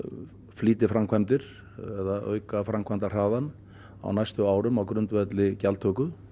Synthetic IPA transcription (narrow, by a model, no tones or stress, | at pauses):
fliːt̪ɪfɾamkʰvajmt̪ɪɾ̥ | ɛðaʔœ̰ːɥkafɾamkʰajmt̪ar̥aːðan | a̰wnajst̪ʏaːwɾʏmawkɾʏnt̪vɛt̪lɪcalt̪ʰœːkʏ